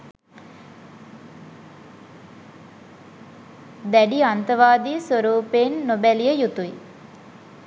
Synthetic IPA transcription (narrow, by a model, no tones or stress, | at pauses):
d̪æɖiant̪əʋaːd̪isʋoɾuːpeːnːobælijəjut̪ui